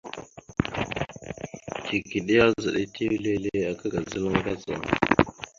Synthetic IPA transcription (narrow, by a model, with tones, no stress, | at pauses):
ki˨ki˨ɗi˦a˦zə˨ɗi˦tʰi˦wle˦le˦a˨kə˦ɡa˨zə˦lə˦ŋ˦ɡa˦za̰˨